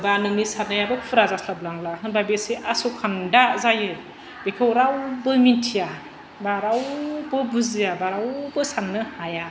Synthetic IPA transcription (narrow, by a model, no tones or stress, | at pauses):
banɯŋnisanɯjabɯpʰɯɾazasʰlablaŋlaɦɯnbajbesiʔasukʰandazajɯ | b̥ekʰɯwɾawbɯmintʰija | baɾawbɯbuzijabaɾawbɯsanːɯhaja